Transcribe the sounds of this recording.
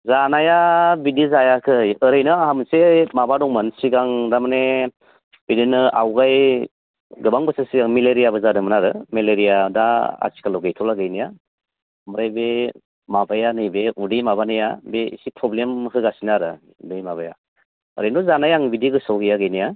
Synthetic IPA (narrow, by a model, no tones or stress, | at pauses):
zanajabidizajakʰɯjɯɾɯjnɯaɦamsemabadɔŋmansiɡaŋdamane | bidinɯa̰wɡaj | ɡɯbaŋbɯsasiɡaŋmeleɾijabɯzadɯmɯnaɾɯmeleɾijadaa̰si̥kʰalɔwɡajtʰɔlaɡajnija | məɾajbe | mabajanɯjbeudɯjmabanɯjabeisipʰɾɔblemɦɯɡasinaɾɯ | udɯjmabaja̰ | ɯ̰ɾɯjnɔzanajaŋbidiɡɯsɔwɡijaɡajnija